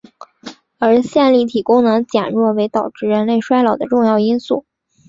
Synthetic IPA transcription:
ə˞˧˥ɕjɛ˥˧nli˥˩t̪ʰi˨˩kʊ˥ŋnɤ˧˥ŋt͡ɕjɛ˨˩nɻwɔ˥˩we˧˥ɪt̪ɑ˨˩ʊʈ͡ʂɻ̩˥˩ɻə˧˥nle˥˩ɪʂwa˥ɪlɑ˨˩ʊd̪ə˦ʈ͡ʂʊ˥˧ŋjɑ˥˩ʊi˥nsṵ˥˩

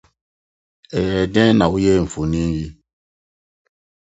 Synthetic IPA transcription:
ɛ˨jɛ˨dɛ̃˦na˨u˦je˦˨ɱ̩˨fu˨nĩ˦n˦ji˦

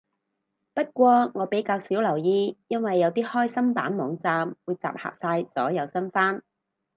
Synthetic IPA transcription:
pɐ˥t̚kʷɔː˧ŋɔː˨˧pe˨˥jkaː˧wsiː˨˥wlɐ˨˩wjiː˧jɐ˥nwɐ˨jːɐ˨˧wt̪iː˥hɔː˥jsɐ˥mpaː˨˥nmɔː˨˥ŋt͡saː˧mwuː˨˧jt͡sa̰ː˨p̚ha̰ː˨p̚saː˧jsɔ̰ː˨˥jɐ˨˧wsɐ˥nfaː˥n

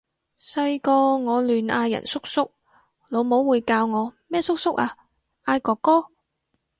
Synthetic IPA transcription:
sɐ˧jkɔː˧ŋɔː˨˧lyː˨˩naː˧jːɐ̰˨˩nsʊ˥k̚sʊ˥k̚ | lo˨˧wmo˨˥wːuː˨˧jkaː˧wŋɔː˨˧mɛː˥sʊ˥k̚sʊ˥k̚aː˧ | ʔaː˧jkɔː˧kːɔː˥

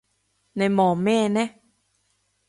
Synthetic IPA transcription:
na˧˩jmɔː˧˩mɛː˥˩nɛ˦˥

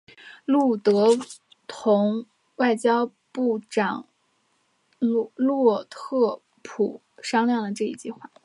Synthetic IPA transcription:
lu˥˩t̪ɤ˧˥ | t̪ʰʊ˧˥ŋ | wa˥˩ɪt͡ɕjɑ˥ʊ | pu˥˩ʈ͡ʂɑ˨˩ŋ | lwɔ˥˩t̪ʰɤ˥˩ | pʰṵ˨˩ | ʂɑ˥ŋljɑ˥˩ŋd̪ə˩ʈ͡ʂɤ˥˧ḭ˧˥˩t͡ɕi˥˧xwa˥˩

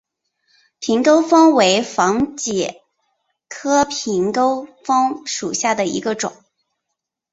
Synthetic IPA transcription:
pʰi˧˥ŋko˥ʊfɑ˥ŋwe˧˥ɪfɑ˧˥ŋt͡ɕjɛ˨˩ | kʰɤ˥pʰi˧˥ŋko˥ʊfɤ˥ŋʂu˨˩ɕja˥˩d̪ə˩ḭ˧˥ɡə˧ʈ͡ʂʊ˨˩˦ŋ

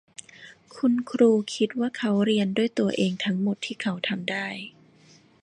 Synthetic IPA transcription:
kʰu˧nkʰɾuː˧kʰi˦˥t̪̚waː˥˩kʰa˦˥wɾi˧ənduː˥˩əjt̪u˧ɐʔeː˧ŋt̪ʰa˦˥ŋmo˨˩t̪ʰːiː˥˩kʰa˦˥wt̪ʰa˧mdaː˥˩j

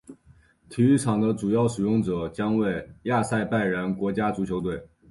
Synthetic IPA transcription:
t̪ʰi˨˥y˥˩ʈ͡ʂʰɑ˨˩ŋd̪ə˦ʈ͡ʂu˨˩jɑ˥˩ʊʂɻ̩˨˩jʊ˥˩ŋʈ͡ʂɤ˨˩˦t͡ɕjɑ˥ŋwe˥˩ɪja˥˧sa˥˧ɪpa˥˩ɪɻə˧˥nkwɔ˧˥t͡ɕja˥t͡su˧˥t͡ɕʰjo˧˥ʊt̪we˥˩ɪ

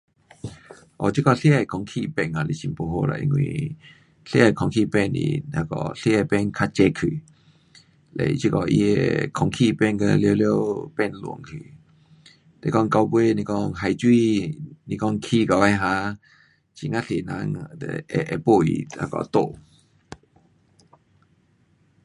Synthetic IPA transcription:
ʔɔ̰˨t͡ɕi˦kɔ˧˨ɬe˦a˨kʰɔ˧˨ŋkʰi˧˨pɛ˧˨na˨le˨ɕi˧˨mpo˧˨ɦo˧la̰˨ʔḭ˧˨ŋwḭ˧˨ | ɬe˦a˨jkʰɔ˧˨ŋkʰi˧˨pɛ˧˨nḭ˨a˧˩kɔ̰˧˩ɬe˦a˧˨pɛ˧˨nkʰa˧t͡ɕɛ˧kʰi˨ | lḛ˨jt͡ɕi˦kɔ˧˨ʔḭ˧ḛ˨kʰɔ˧˩ŋkʰi˧˨pɛ˥˧˨nka˧lje˧˦ljo˦pɛ˥˧˨nlṵ˨˦ŋkʰi˨ | le˧˦kɔ˧˨ŋka˧wbe˦nĩ˧kɔ˧ŋɦa˨˩jt͡ɕwi˥˧˨nĩ˧kɔ˧˨ŋkʰi˧˨ka˨a˧jɦã˧˦ | t͡ɕi˨˩ŋã˦ɬe˨nã˧˦ŋ˧˨ɛ˨ʔɛ˨˧po˥˧˨ḭ˨a̰˧kɔ̰˨˧t̪o˧˨

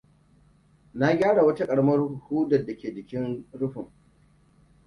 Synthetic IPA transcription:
na˦ɡʲaː˦ɽa˨wɐ˦ta˦kʼɐ˨ɽɐ˦mɐ˦rhuː˦dɐ˨dːa˨kʲeː˨d͡ʒɪ˨kʲɪ˦nɽʊ˦ɸʊ˨ŋ

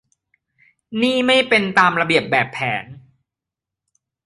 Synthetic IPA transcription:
niː˥˩ma˥˩jpe˧nt̪aː˧mɾa˧bi˨˩əp̚bɛː˨˩pʰːɛː˩˦n

